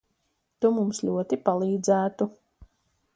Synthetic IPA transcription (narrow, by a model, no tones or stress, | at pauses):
t̪umumsʎʲuɔt̪ipalˠiːd̪zæːt̪u